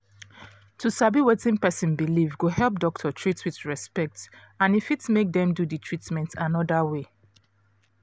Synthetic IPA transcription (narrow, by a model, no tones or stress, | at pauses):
tʰusabiwetĩnpɛsɔ̃nbilivɡohɛlˠp̚dɔk̚tʰɔtʰɹitwiðɹɛspɛk̚t | ãnifitmek̚dɛ̃mdudɨtʰɹ̥itmɛ̃ntʰãnɔdawe